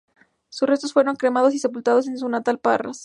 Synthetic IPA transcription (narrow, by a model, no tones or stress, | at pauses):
susre̞st̪osfwe̞ɾo̞ŋkɾemað̞o̞sise̞pult̪að̞o̞s̬e̞nsunat̪alpa̰ra̰s